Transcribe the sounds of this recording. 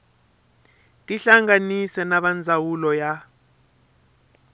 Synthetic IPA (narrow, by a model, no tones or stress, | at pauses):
tʼiɬaŋanisɛnaɓand͡zʱawulɔja